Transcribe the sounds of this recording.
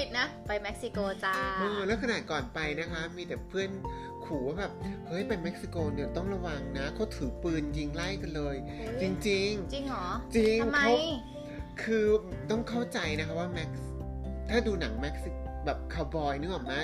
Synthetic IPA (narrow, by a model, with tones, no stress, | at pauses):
pʰi˨˩t̪̚na˦˥pa˧jme˦˥k̚si˧koː˧t͡ɕa˧ʔɤː˧lɛː˦˥wkʰa˧naː˨˩t̪̚kɔː˨˩npa˧jna˦˥kʰa˦˥miː˧t̪ɛː˨˩pʰɯ˥˩ən | kʰuː˩˦waː˥˩bɛː˨˩p̚hɤː˦˥jpa˧jme˦˥k̚si˧koː˧ni˨˩ət̪ɔ˥˩ŋɾa˧wa˧ŋna˦˥kʰa˨˦˥wt̪ʰɯː˩˦pɯː˧nji˧ŋla˥˩jka˧nlɤː˧j | t͡ɕi˧ŋt͡ɕi˧ŋt͡ɕi˧ŋɔː˦˩˦t͡ɕi˧ŋŋmkʰa˦˥w | kʰɯː˧t̪ɔ˥˩ŋkʰa˥˩wt͡ɕa˧jna˦˥kʰa˦˥waː˥˩mɛ˦˥k̚s | t̪ʰaː˥˩duː˧na˩˦ŋme˦˥k̚si˧kbɛː˨˩p̚kʰaː˧wbɔː˧jnɯ˦˥ʔɔː˨˩naː˦˥